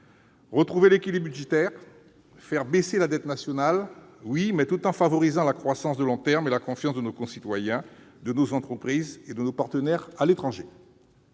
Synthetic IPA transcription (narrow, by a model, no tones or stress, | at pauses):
ʁət̪χuvelekʲilibyʒet̪ɛʁ | fɛʁbeselad̪ɛt̪nasjɔnalwimɛt̪ut̪ɑ̃favɔʁizɑ̃lakχwasɑ̃sd̪əlɔ̃t̪ɛʁmelakɔ̃fjɑ̃sd̪ənokɔ̃sit̪wajɛ̃ | d̪ənozɑ̃t̪χəpχized̪ənopaʁt̪ənɛʁalet̪χɑ̃ʒe